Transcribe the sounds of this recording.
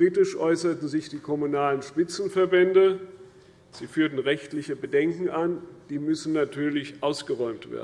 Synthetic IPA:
kʁ̥iːtɪʃʔɔʏsɐtn̩zɪçd̥iːkʰɔmunaːlənʃpɪt͡sn̩fɛɐbɛndə | z̥iːfyːɐtn̩ʁɛçtlɪçəbədɛŋkŋ̩and̥iːmʏsn̩natʰyːɐlɪçʔaʊsɡ̥əʁɔʏmtv̥ḛːɐ

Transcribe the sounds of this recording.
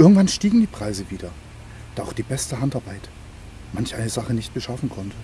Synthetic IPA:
ʔɪɐɡŋ̩tv̥anʃtiːɡŋ̩diːpʁ̥aɪzəviːdɐ | d̥aːʔaʊχd̥iːbɛstəɦantaɐbaɪt | mançʔaɪnəzaχənɪçt̚b̥əʃafn̩kʰɔntʰə

